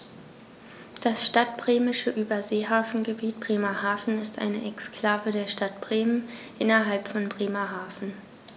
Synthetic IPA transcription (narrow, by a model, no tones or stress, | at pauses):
d̥asʃtat̚b̥ʁeːmɪʃəʔyːbɐzeːɦaːfn̩ɡəbiːt̚b̥ʁeːmɐhaːfn̩ɪstʔa̰ɪnəʔɛkskl̥aːvədeːɐʃtat̚b̥ʁ̥eːmənʔɪnɐɦalpfɔnbʁeːmɐɦaːfn̩